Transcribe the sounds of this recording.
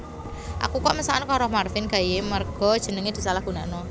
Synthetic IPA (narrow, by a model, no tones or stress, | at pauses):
ʔa̰kukɔʔmisankɔɾɔhmarfɪnɡ̥a̤jemərɡ̥ɔ̤d̥ʒ̥ə̤nəŋed̪̥i̤salahɡ̥ṳnanɔ